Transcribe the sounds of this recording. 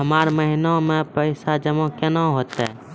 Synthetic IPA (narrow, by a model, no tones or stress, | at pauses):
ɦəmaːɾməɦɪnomẽpəɪsad͡ʒəmõkenaɦoːt̪ɛ̰